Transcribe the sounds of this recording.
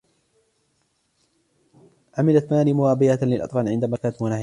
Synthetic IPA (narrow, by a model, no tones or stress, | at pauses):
ʕamɪlat̪maːliːmʊwaːbɪjalɪlʔɑ̰t̪ˤfɑːnʕɪnd̪amakaːnt̪manah